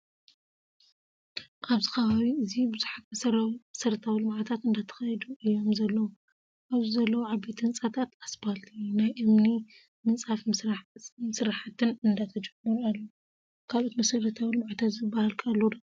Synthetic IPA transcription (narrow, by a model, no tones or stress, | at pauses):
ʔaβzixɐβaβiɨzibɨzuħat̪mɐsɐɾmɐsɐɾɐt̪ʰawilɨmʕat̪ʰat̪ɨnd̪at̪ʰɐ̥xɐjd̪uʔɨjːo̞mzɐlːɐwu | ʔaβzizɐlːɐwuʕabet̪ʰɨnt͡sʼat̪ʰat̪asbalt̪ʰinajʔɨmni | mɨnt͡sʼaf | mɨsɾaħat̪ʰɨnɨnd̪at̪ʰɐd͡ʒɐmːɨɾualːo | kʰalo̞t̪mɐsɐɾɐt̪ʰawilɨmʕat̪ʰat̪zɨbːahalkʰalːod̪